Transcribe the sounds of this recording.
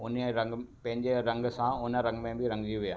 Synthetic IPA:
ʊnɾɐ̃ŋɡpɐ̃ɦɪ̃ɲd͡ʑeɾɐ̃ŋɡsãʊnəɾɐ̃ŋɡmẽbɪɾɐ̃ŋɡd͡ʑiuʋija̰ː

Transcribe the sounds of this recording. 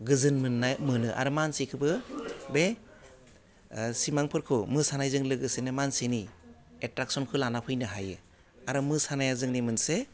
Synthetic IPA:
ɡɯzɯnmɯnːajmɯnɯʔa̰ɾɯmansekʰɯbɯbe | simaŋpʰɯɾkʰɯmɯsanajzɯŋlɯɡɯsenɯmanseni | etɾak̚sɔnkʰɯlanapʰɯjnɯɦajɯ | aɾɯmɯsanajazɯŋnimɯnse

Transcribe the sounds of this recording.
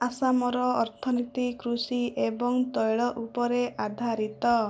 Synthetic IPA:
asamɔɾɔɔɾt̪ʰɔnit̪ikɾusiebɔŋt̪ɔjɭɔʔupɔɾeʔad̪ʱaɾit̪ɔ

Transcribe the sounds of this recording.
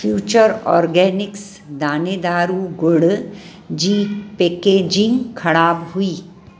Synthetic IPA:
fʰjuːt͡ʃəɾɔ̰ːɾɡɛːnɪks | d̪aːned̪aːɾuɡʊɽ | d͡ʒiːpeːkeːd͡ʒɪ̃ŋɡkʰɐɽaːbɦʊiː

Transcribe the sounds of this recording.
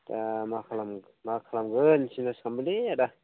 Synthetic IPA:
tamakʰalam | makʰalamɡɯnsinaskʰambɯleada

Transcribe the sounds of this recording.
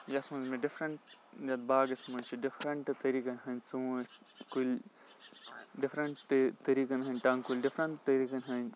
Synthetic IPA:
jɐsmɐnzmeɖifɾɐɳʈdɐt̪̚baːɡɐsmɐt͡ʃʰiɖifɾɐɳʈt̪ɐɾiːkɐnɦɐnsũː | kul | ɖɪfɾɐɳʈt̪ɐɾiːkɐnɦɐnʲʈɐːŋkulʲɖifɾɐɳʈt̪ɐɾiːkɐnɦɐn

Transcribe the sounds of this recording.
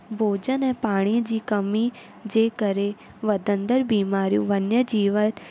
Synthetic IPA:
bʱoːd͡ʒənɛ̃ːpaːɽ̃ĩd͡ʒiːkəmi | d͡ʒeːkəɾe | ʋɐd̪ə̃nd̪əɾbiːmaːɾijṵ̃ːʋɐnjəd͡ʒiːʋən

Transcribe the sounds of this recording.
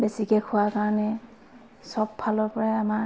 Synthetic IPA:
besikɛkʰʊwakaɹɔnɛ | sɔbːʱalɔɹpɔɹajama

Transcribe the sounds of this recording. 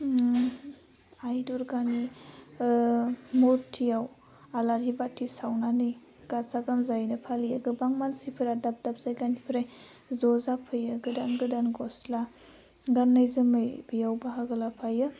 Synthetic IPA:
ajduɾɡani | muɾtʰːijaw | alaɾibatʰːisawnanɯj | ɡ̥azaɡamzajnɯpʰalijaɡɯbaŋmansipʰɯɾadap̚dap̚z̥ajɡanipʰɾaj | zɔzapʰɯjɯɡɯdanɡɯdanɡɔsla | ɡanːajzɯmɯjbijawbaɦaɡɯlapʰajɯ

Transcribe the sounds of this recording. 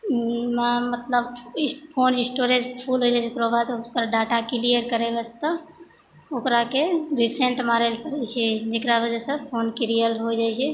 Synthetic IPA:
mamət̪ləbpʰoːnɪ̃sʈoɾed͡ʒpʰulɦojd͡ʒajt͡ʃʰokɾobat̪okɾaɖaʈakilijəɾkəɾebəst̪ə | okɾakeɾisẽɳʈmaɾelpəɾɛt͡ʃʰɛd͡ʒekɾaʋəd͡ʒɛsə̃pʰoːnkiɾijəlɦod͡ʒajt͡ʃʰɛ

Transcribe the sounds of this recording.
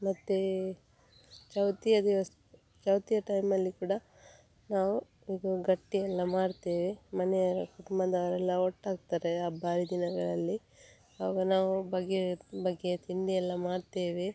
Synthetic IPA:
mɐt̪ːe | t͡ʃɐwt̪ijɐd̪iʋɐst̪u | t͡ʃɐwt̪ijɐʈɐjmɐlːikuːɽɐ | naːʋu | iːɡɐɡɐʈːijɛlːɐmaːɽt̪eːʋemɐnɛjɐɾɐkuʈumbɐd̪ɐʋɐɾɛlːɐɔʈːaːɡ̚t̪aɾeaːbaːɾid̪inɐɡɐɭɐlːi | ɦaːɡɐnaːʋubɐɡːebɐɡːet̪iɳɖ̪ijɛlːɐmaːɽt̪eːʋe

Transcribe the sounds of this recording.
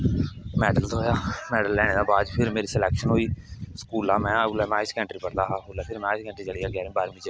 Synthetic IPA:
mɛːɖəlt̪ːoːjaːmɛːɖəlːɛːɽ̃eːd̪aːbaːd̪pʰɪɾmeːɾiːsəlɛːkʃənɦoːiːskuːlaːmɛ̃ːəɡlɛːmɛ̃ːɪskɛ̃ːɳʈɾiːpəɾd̪aːɦaːoːlɛːpʰɪɾmɛ̃ːɪskɛ̃ːɳʈɾiːt͡ʃəlijaːɡaːɾĩbaːɾmĩːd͡ʒə

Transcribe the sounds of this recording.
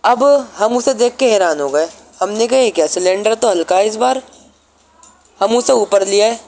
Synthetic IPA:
ɐbɦɐmʊsed̪eːkʰːeɦɛːɾaːnɦoːɡɐeː | hɐmnekɐekjaːsɪlẽːɳɖəɾt̪oɦɐlkaɪsbaːɾ | hɐmʊseuːpəɾlijaɦɛː

